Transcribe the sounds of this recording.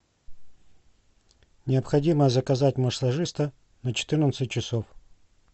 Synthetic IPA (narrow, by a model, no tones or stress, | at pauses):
nʲɪəpxɐdʲiməzəkɐzatʲməʂlˠɐʐɨst̪ə | nət͡ɕɪ̥t̪ɨrnət̪sɨt̚ʲt͡ɕːɪsof